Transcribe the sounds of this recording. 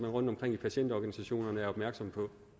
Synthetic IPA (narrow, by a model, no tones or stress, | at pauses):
mænʁɔ̽nd̥ɒ̽mkʰʁeŋ̰ipʰæɕen̰d̥ɒɡ̥ænisæɕo̝̰ːnɐnəæɐɒ̽b̥mæɐɡ̥sɒ̽mpʰɒ̽